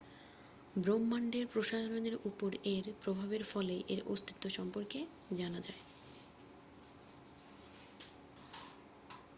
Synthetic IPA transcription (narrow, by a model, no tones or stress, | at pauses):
bɾomːaɳɖeɾpɾoʃad̪ʱaɾoneɾupoɾeɾpɾobʱabeɾfɔleʔeɾo̰st̪ʰi̥t̪ːoʃɔmpoɾke | d͡ʑanad͡ʑae